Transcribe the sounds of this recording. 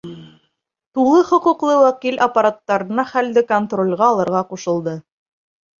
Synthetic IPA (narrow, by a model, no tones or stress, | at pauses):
t̪ulˠɤχŏqŭqlˠɤwækilʔɐpːaɾat̪ːɑɾɤ̆nɑχæld̪ɘkont̪rolʲʁɑːlˠɤ̆ɾʁɑquʃɤ̆lˠd̪ɤ